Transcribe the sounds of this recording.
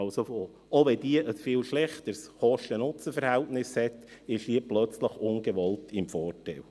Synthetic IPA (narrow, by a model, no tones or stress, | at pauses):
ɑlsofo | oʋɛd̥iəʔəsfɪːlʃlɛχt̪əɾsχɔʃtənʊt͡səfəɾhɛltnɪshɛt̪ɪʃhiəplœt͡sləχʊnɡəʋɔltʰɪmfɔːrtæɪl